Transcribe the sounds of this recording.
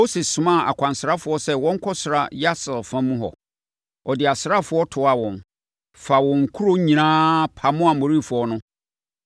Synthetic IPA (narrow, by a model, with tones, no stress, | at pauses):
mo˦sɪ˨ssʊ̃˨mã˦˨a̰˨kʷʰã˨n˨sɾa˦fʊ˨ɔ˦sɛ˦wɔ̃˦ŋ̩˦kʰɔ˦sʊ˨ɾa˨ja˦sɪ˨lfã˦mũ˦ɦɔ̰˨ | ɔ˨dɪ˨a˨sɾa˦fʊ˨˦ɔ˦tʰʊ˨˦a˨wɔ̃˨n | fa˨wɔ̃˨ŋ̩˨kʰu˦ɾo˦ɲĩ˨nãː˦pʰa˨mʊ̃˦a˨mo˨ɾi˦˨fʊ˨ɔ˦nʊ̃˦